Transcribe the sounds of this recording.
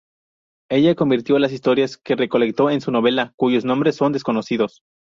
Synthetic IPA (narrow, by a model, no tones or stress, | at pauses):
e̞ʝako̞mbiɾt̪jo̞las̬ist̪o̞ɾjaske̞re̞ko̞le̞k̚t̪o̞e̞nsuno̞βe̞lakuʝo̞znombɾe̞sːo̞nd̪e̞sko̞no̞siðo̞s